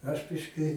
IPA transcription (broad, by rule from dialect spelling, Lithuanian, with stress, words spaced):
ɐʃ ˈbʲɪʃʲkʲɪ